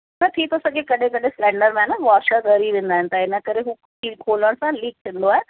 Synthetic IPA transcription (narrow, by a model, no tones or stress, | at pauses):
nət̪ʰit̪ʰosɐɡekɐɗẽkɐɗẽslɛ̃ːɳɖəɾmɛːnəʋaːɾʃəɣɐɾiʋẽːnd̪aːɦɪ̃nt̪aɪnəkɐɾeɦuː | iːkʰoːləɽ̃sãliːk̚t̪ʰɪ̃nd̪oaːɦe